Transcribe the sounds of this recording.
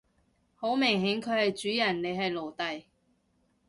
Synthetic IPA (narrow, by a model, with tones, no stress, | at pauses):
ho˨˥wmɪ˨˩ŋɦe˨˥ŋkʰɵ˨˧ɥhɐ˨jt͡ʃyː˨˥jɐ˨˩nne˨˧ɦɐ˨jlo˨˩wt̪ɐ˨j